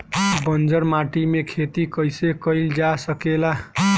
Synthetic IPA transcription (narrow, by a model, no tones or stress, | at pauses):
bənd͡ʒəɾmaʈimekʰet̪ikəjsekəɪld͡ʒasəkela